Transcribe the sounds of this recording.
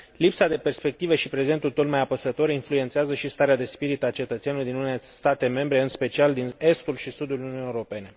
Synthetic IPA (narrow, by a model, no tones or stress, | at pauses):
lipsad̪e̞pe̞rspe̞k̚t̪ive̞ʃipɾe̞ze̞nt̪ult̪o̞t̪majapəsət̪o̞ɾinfluent̪seazəʃist̪aɾead̪e̞spiɾit̪at͡ʃe̞t̪ət̪senuluijd̪inuneest̪at̪e̞me̞mbɾe̞ɨnspe̞t͡ʃiald̪ine̞st̪ulʃisud̪uluunijeuɾo̞pe̞ne̞